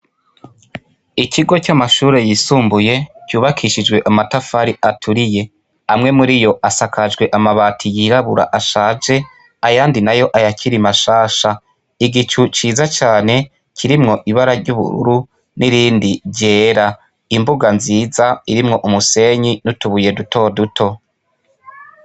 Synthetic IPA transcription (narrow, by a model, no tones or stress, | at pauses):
icʰiɡo̞camaʃuːɾe̞jisuːmbuje̞cuːβakʰiʃid͡ʒwe̞ʔamatafaɾiʔatʰuɾije̞ | amŋe̞muɾijo̞ʔasakʰad͡ʒɡwe̞ʔamaβaːtʰijiɾaβuɾa̰ʔaʃaːd͡ʒe̞ | ajaːndinajo̞ʔajacʰiɾimaʃaːʃa | iɡit͡ʃut͡ʃiːzat͡ʃaːne̞ | kʰiɾimŋo̞ʔiβaɾaɾɟuβṵɾṵɾu | nʔiɾiːndiɾɟe̞ːɾa | imbuɡanziːzaiɾimŋo̞ʔumuse̞ɲinutuβuje̞dutʰo̞ːdutʰo̞